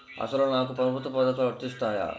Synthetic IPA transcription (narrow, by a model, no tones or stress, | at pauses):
ɐ̰sɐlunaːkupɐɾɐbʱut̪ːɐpɐd̪ɐt̪ːɐɐɾt̪ːist̪aːja̰